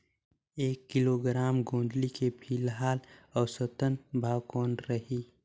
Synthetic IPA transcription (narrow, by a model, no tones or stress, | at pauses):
eːkːɪloɡɾaːmɡõːnd̪likepʰiːlɦaːlɔːɾsət̪ənbʱaːwkoːnɾəɦiː